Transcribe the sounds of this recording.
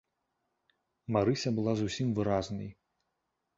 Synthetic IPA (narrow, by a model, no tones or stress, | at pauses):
maɾɨsʲɐbɨlˠazusʲimvɨɾaznɨ̰j